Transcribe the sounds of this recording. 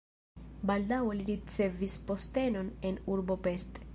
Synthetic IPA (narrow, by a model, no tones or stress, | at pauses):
baldaweliɾit͡se̞vispo̞ste̞no̞ne̞nuɾbo̞pe̞st